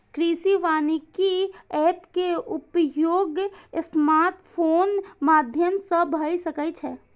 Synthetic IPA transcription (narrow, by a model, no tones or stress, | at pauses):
kɾisiʋanikiɛpkeupjoɡəsmat̪pʰonmad̪ʱjəmsəbbʱəjsəkɛt͡ʃʰɛ